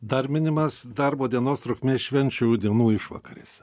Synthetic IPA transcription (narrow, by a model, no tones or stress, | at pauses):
d̪ɐɾʲmʲɪnʲɪmɐsd̪ɐɾboːd̪ʲiɛnoːst̪ɾʊkʲmʲeːʃʲʋʲɛnʲt͡ʃʲud̪ʲiɛnuːɪʃʋɐ̰ːkɐɾʲɪs